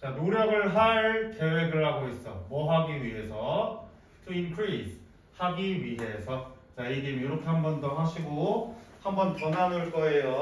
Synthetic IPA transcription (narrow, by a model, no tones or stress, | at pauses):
t͡ɕanoɾjʌɡɯɭɦaɭke̞we̞ɡɯɭhaɡois͈ʌmwʌɦaɡiɥiɦe̞sʰʌ | tʰuinkʰɾisʰ | haɡiɥiɦe̞sʰʌt͡ɕaiɡemjoɾʌkʰe̞ɦambʌndoɦaɕʰiɡohambʌnpʌnɦanɯɭk͈ʌe̞jo